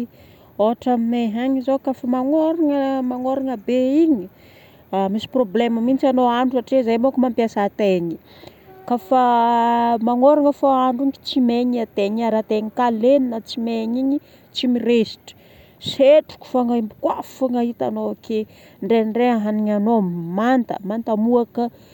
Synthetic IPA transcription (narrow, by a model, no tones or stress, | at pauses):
oɦaʈ͡ʂamimeɦaɲizokafəmaŋoɾaŋəmaŋoɾaŋəbeiɲi | amisi̥probleməmint͡sanoaɳɖ͡ʐusaʈ͡ʂizajmokmampjasat̪eɲi̥ | kafə | maŋoɾaŋəfoaɳɖ͡ʐuŋki̥t͡simeɲiat̪eɲiaɾat̪eɲikaleninət͡simeɲiɲi | t͡simiɾesi̥ʈ͡ʂi̥ | seʈ͡ʂu̥ku̥faŋaimbukwafuŋaɦit̪a̰noakʰe | ɳɖ͡ʐeɳɖ͡ʐeaɦaniɲanommant̪ə̰mant̪amuakə